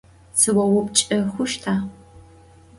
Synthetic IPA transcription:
sɨwɐwʊpt͡ʃʼɐxʷʊʃtʰaː

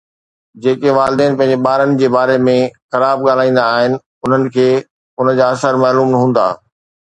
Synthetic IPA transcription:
d͡ʑeːkeʋaːld̪eːnɪpɐ̃ɦɪ̃ɲd͡ʑeɓaːɾənɪ̆d͡ʑeːbaːɾemẽxɐɾaːb̚ɠaːl̤aːĩːn̆d̪aːɦɪnɪ̆ | ʊn̤ənɪ̆kʰeː | ʊnəd͡ʑaːɐsəɾmaːluːmnɐɦũːn̆d̪a̰ː

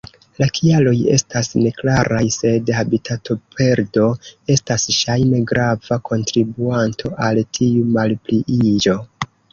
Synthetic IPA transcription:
lakʰialo̞je̞̰stasne̞klaɾʔajse̞dhabitʰatʰo̞pʰe̞ɾdo̞e̞stasʃajme̞ɡɾavakʰo̞ntɾibuantʰo̞ʔaltʰiumalpliʔid͡ʒo̞

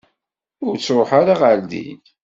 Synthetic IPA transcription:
ʊɾt͡sːɾoħaɾaʁaɾd̪ḭn

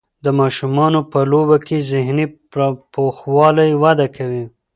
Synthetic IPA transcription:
d̪əmɑʃumɑnopəlobakezɪhni | ɾpoxwɑlajwad̪akʰawi

